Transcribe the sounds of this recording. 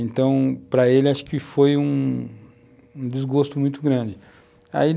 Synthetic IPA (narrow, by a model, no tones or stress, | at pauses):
ẽnt̪ɐ̃w̃pɾɐelɪaʃʊ̥kɪfojũ | ũd͡ʒ̪ɪzɡost̪ʊmũj̃t̪ʊɡɾɐ̃d͡ʒɪ | a̰i